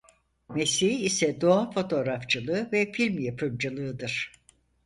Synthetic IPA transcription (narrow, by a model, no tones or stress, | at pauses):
mesiɦiːsɛd̪o̞afo̞t̪ʰo̞ɾaft͡ʃʰɯlˠɯvɛfilʲmjapʰɯmd͡ʒɯlˠɯːd̪ɯɾ̥